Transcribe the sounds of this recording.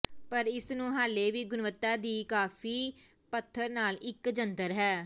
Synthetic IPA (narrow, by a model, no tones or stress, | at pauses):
pəɾɪsnũːɦaːleːʋiːɡʊnʋət̪ːaːd̪iːkaːfʰiː | pət̪ʰːəɾnaːlɪkd͡ʒənd̪əɾɦɛː